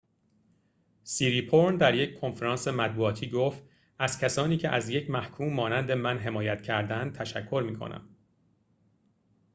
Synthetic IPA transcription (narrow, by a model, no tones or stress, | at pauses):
siːɾiːpʰoɾnd̪æɾje̞ckʰo̞nfeɾɒːnse̞mæt̪̚buɒːt̪ʰiːɡoft̪ | æz̥cʰæsɒːniːcʰe̞ʔæzje̞cʰmæhkʰuːmːɒːnænd̪e̞mænɦe̞mɒːjæt̪cʰæɾd̪ænd̪̚t̪ʰæʃækʰːo̞ɾmiːkʰo̰nʔæ̰m